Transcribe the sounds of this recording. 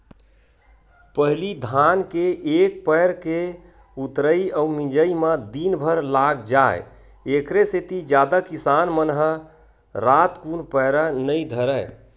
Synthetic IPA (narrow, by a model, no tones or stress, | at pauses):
pəɦlid̪ʱankeːk̚pəjɾke | ut̪ɾəiəumĩd͡ʒəimed̪inbʱəɾlaɡd͡ʒaḛ | ekɾeset̪id͡ʒjad̪akisanmənɦə | ɾat̪kunpəjɾənəjd̪ʱəɾəj